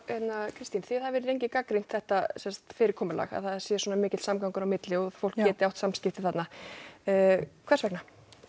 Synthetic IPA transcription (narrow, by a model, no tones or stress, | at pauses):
ɛt̪nakʰɾɪst̪inθɪðaðvɛːɾɪðejɲcɪkakɾin̥t̪θɛht̪asɛnsḁt̪fɪːɾɪɾkʰɔːmʏla̰ɣa̰ðθaðsjɛswɔːnamɪːcɪsamkawŋkʏɾawmɪt̪lɪɔ̥fowl̥kjɛːt̪ɪawht̪samscɪft̪ɪθat̪naː | kʰvɛrsvɛkna